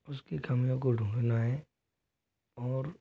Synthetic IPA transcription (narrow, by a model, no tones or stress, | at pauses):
ʊskikɐmijõkoɖʱũːɡnaɦɛ | ɔːɾ